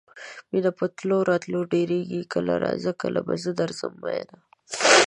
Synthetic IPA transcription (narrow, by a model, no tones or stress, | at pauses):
minapət̪loɾɑt̪loɖeɾeɡikəlaɾazəkəlabazəd̪aɾzəmːajna